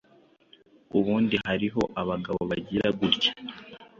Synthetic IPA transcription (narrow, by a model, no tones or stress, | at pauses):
uβuːndihaɾiɦo̞ʔaβaɡaβo̞βaɟiɾaɡuɾɟḁ